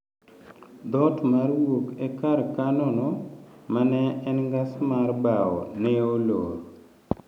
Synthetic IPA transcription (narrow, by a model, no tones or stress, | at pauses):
d̪ɔtmarwokekaɾkanɔnɔmanɛɛnŋɡasmarbaɔ̰neoloɾ